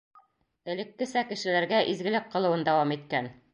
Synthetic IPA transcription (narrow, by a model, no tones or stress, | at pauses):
ɘ̆lɘ̆kːɘ̆sækɘ̆ʃɘ̆læɾɡæʔizɡɘ̆lɘk̚qɤ̆lˠɤ̆wɤnd̪æwɑmit̪kæn